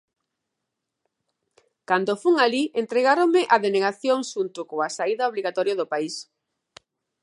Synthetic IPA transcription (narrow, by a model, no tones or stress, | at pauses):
kand̪ofuŋaliʔent̪ɾeɣaɾomɪʔaðeneɣaθjoŋʃunt̪ʊkoasaiðaoβliɣat̪ɔɾjoðʊpais